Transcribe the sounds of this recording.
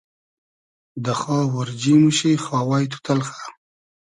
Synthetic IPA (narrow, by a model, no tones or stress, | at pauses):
d̪əxɑːwaɾd͡ʒimuʃejxɑːwajt̪ʰu̥t̪ʰalxḁ